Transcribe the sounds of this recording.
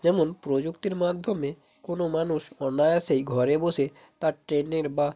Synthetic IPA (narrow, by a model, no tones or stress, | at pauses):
d͡ʒɛmonpɾod͡ʒukt̪iɾmad̪ʱjɔmːẽ | konomanuʃɔnajaseiɡʱɔɾebose | t̪aʈɾeneɾba